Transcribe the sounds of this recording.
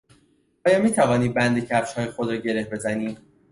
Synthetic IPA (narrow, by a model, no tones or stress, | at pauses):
ʔɒːjɒːmiːt̪ʰævɒːniːd̪̚bænd̪e̞cʰæfʃhɒːjexod̪ɾɒːɟe̞ɾe̞hbe̞zæniːd̪